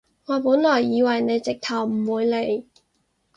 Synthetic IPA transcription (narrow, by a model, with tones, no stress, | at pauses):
ŋɔː˨˧puː˨˥nlɔː˨˩jːiː˨˧wɐ˨˩jne˨˧jt͡sɪ˨k̚t̪ʰɐ˨˩wm̩˨˩wuː˨˧jle˨˧j